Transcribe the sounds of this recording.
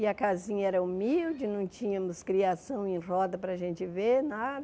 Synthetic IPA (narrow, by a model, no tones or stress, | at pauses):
ɪɐkazĩɲɐɛɾɐumiwd͡ʒɪnɐ̃w̃t͡ʃĩɲɐmʊskɾiasɐ̃w̃ẽj̃rɔd̪ɐpɾɐaʒẽnt͡ʃɪvenad̪ɐ